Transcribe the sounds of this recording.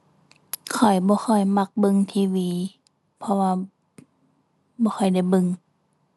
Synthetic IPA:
kʰɔ˨˩jbɔː˧˦xʰɔ˧˩jma˧k̚bɯ˧˨ŋt̪ʰiː˧˨wiː˧˦ | pʰɔ˧waː˧ | bɔː˧˦xʰɔ˨˩jda˧˩jbɯ˧˨ŋ

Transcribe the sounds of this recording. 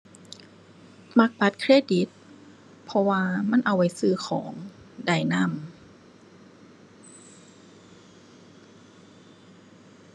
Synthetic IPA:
ma˧k̚ba˨˩t̪̚kʰɾeː˧˥˩di˨˦t̪̚ | pʰɔ˧waː˧ma˧˥˨nʔa˧˩wa˧˩jsɯː˧˩xʰɔː˩˦ŋ | da˧˩jna˧˥˨m

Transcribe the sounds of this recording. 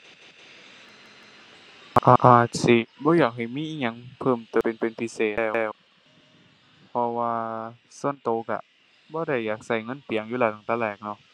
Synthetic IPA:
ʔa˧ʔa˧ʔaː˧˨˩t̪̚si˧˩bɔː˧˦jaː˨˩k̚ɦa˨˩jmiː˧˥˨ʔiː˧˩ŋɲa˧˥ŋpʰɤː˧˩mt̪ːpe˨npe˨npʰi˧˩seː˨˩˧ɛː˧˩w | pʰɔ˧waː˧ | su˧˥ənt̪oː˧˦ka̰˧ | bɔː˧˦ɾa˧˩jːaː˨˩k̚sa˧˩jŋɤ˧˥˨npi˨əŋjuː˧laː˧˩t̪ʰaː˨˩t̪aː˧˨lɛː˧˩k̚nɔ˧˥˨

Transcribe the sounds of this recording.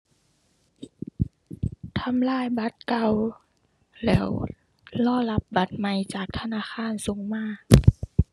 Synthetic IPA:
t̪ʰa˧˥mlaː˥˨jba˧˦t̪̚ka˧˩w | lɛː˦˥w | lɔː˧˥˨la˧˦˥p̚ba˧˦t̪̚ma˧˩jt͡ɕaː˨˩k̚t̪ʰa˧naː˧˥˨xʰaː˧˥˨nso˨˦ŋmaː˧˥˩k̚

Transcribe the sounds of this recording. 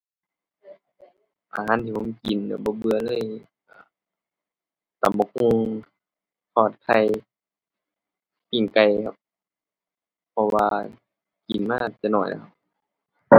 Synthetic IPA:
ʔa˨a˧˥˨nt̪ʰiː˧bʰɔ˧˥˦ki˨n˧˨bɔː˧˦bɯ˧ɐlɤː˧˥˨j | aː˧˩ | t̪a˨˦mbɔ˧ku˧ŋ | pʰɔː˧˩t̪̚kʰa˧˩j | pi˧˩ŋka˧jkʰa˧p̚ | pʰːɔ˧waː˧ | ki˨nmaː˧˨t̪ɛ˧˦nɔː˧˩jlɛ̰˧˥kʰa˧p̚

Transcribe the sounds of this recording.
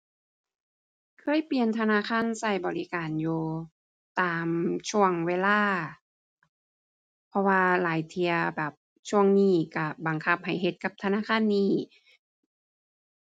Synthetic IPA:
kʰɤː˧˥˨jpli˨ənt̪ʰa˧naː˧˥˨kʰaː˧˥˨nsa˧˩jbɔː˨˩li˦kaː˨njuː˧ | t̪aː˨˩mt͡ɕʰu˧˩əŋweː˧˨laː˧˥˩ | pʰɔ˧waː˧laː˨˦jt̪ʰi˧ɐbɛː˨˩p̚ | t͡ɕʰu˧˥˩əŋniː˧˩ka˧˩ba˨˩ŋkʰa˧p̚ha˨˩jɦe˧˦t̪̚ka˧˦p̚t̪ʰa˧naː˧˥˨kʰaː˧˥˨nːiː˧˩

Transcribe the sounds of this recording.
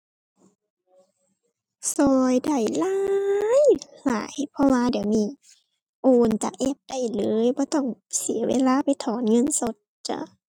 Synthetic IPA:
sɔː˧jda˧˩jlaː˧jla̰ː˨˦jpʰɔ˧waː˧diː˨˩˦wniː˧˩ | ʔoː˧nt͡ɕaː˨˩k̚ʔɛ˧˩p̚d̥a˧˩jlɤː˨˦jbɔː˧˦t̪ɔ˧˩ŋsi˨˦ɐwḛː˧˥˨laː˧˨pa˨jt̪ʰɔː˨˦nŋɤ˧˥˨nso˧˦t̪̚t͡ɕa̰˧˩˦

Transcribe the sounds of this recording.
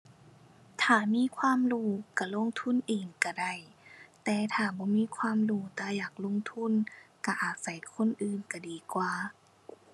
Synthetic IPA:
t̪ʰaː˨˩miː˧˥˨kʰwaː˧˥˨mɾuː˧˩ka˧˩lo˧˥˨ŋt̪ʰu˧˥˨nʔeː˨˩ŋka˧˩da˧˩jt̪ɛː˧˩t̪ʰaː˨˩bɔː˧˦miː˧˥˨kʰwaː˧˥˨mɾuː˧˩t̪aː˧˩jaː˨˩k̚lo˧˥˨ŋt̪ʰu˧˥˨nka˧˩ʔaː˨˩t̪̚sa˧˩jkʰo˧˥˨nʔɯː˨˩nka˧˩diː˨kwaː˧˨˩

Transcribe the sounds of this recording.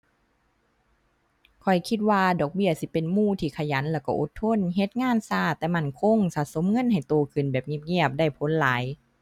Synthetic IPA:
kʰɔ˨˩jkʰi˧t̪̚waː˧dɔː˨˩k̚bi˧˩ɐsi˧˦pe˨nmuː˧˩˨t̪ʰiː˧˩kʰa˧˩ja˨˦nlɛː˧˩wkɔ˧˩ʔo̰˧˦t̪ʰːo˧˥˨nɦe˧˦t̪̚ŋaː˧˥˨nsaː˧˩t̪ɛː˧ma˧˥˩nkʰo˧˨ŋsaː˧t̪̚so˧˦mŋɤ˧˥˨nha˨˩jt̪oː˧˩kʰɯ˨˩˨nbɛː˨˩p̚ŋi˧˩p̚ŋi˧˥˩əp̚da˧˩jpʰo˧˥˨nlaː˨˦j

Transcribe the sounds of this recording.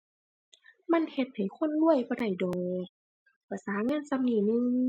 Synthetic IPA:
ma˧˥˨nhe˧˦t̪̚ha˨˩jkʰo˧˥˨nlu˧˥˨əjbɔː˧˦da˧˩jdɔː˨˩ŋ | pa˧˩saː˨˦ŋaː˧˥˨nsa˧mniː˧˩nɯ˧˨ŋ

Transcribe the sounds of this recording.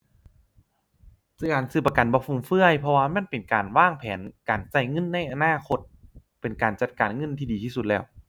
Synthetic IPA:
sɯː˧˩kaː˨˩nsɯː˧˩pːa˧ka˨˩nbɔː˧pʰfʰu˧˩˨mfɯ˧˥˩əjpʰɔ˧waː˧mɛ˧˥˨npe˨nkaː˨˩nwaː˧˥˩ŋpʰɛː˨˦nkaː˨˩nsa˧˩jŋɤ˧˥˨nːa˧˩jʔa˨˩naː˧˥˩kʰo˧t̪̚pe˨˩nkaː˨˩nt͡ɕa˧˩t̪̚kaː˨˩nŋɤ˧˥˨nt̪ʰiː˧diː˨˩iː˧˩su˧t̪̚lɛː˧˩˨w

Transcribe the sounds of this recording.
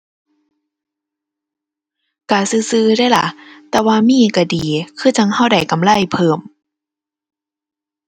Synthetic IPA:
kaː˧˩sɯː˧˦sɯː˧˦da˧˩jla˧˦t̪ɛː˧waː˧miː˧˥˨ka˧˩diː˨kʰɯː˧˩t͡ɕa˧ŋha˧˥˩wda˨˩jka˨mla˧˥˨jpʰɤː˧˩m

